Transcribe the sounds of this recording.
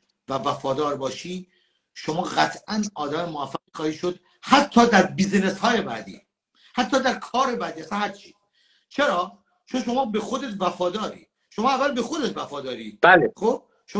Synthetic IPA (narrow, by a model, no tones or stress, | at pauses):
vævæfɒːd̪ɒːɾbɒːʃiː | ʃomɒːɢæt̪ʰʔænɒːd̪æmemoæfːæɣxɒːhiːʃod̪ | hæt̪ʰːɒːd̪æɾbizne̞shɒːje̞bæ̰d̪ḭː | hæt̪ʰːɒːd̪æɾkʰɒːɾe̞bæd̪iːæsænhæɾt͡ʃʰi̥ | t͡ʃʰeɾɒː | t͡ʃʰonʃo̞mɒːbexo̞d̪et̪ʰvæfɒːd̪ɒːɾḭːd̪̥ | ʃomɒːævːælbe̞xo̞d̪et̪væfɒːd̪ɒːɾiːd̪̥bælexob̚ | ʃo